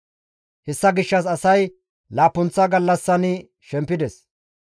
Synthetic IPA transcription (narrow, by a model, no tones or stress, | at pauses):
hɛsːɐɡɪʃːɐs̬ɐsɐj | laːpːʊnt͡sːɐɡɐlːɐsːɐnɪ | ʃɛmpːɪd̪ɛs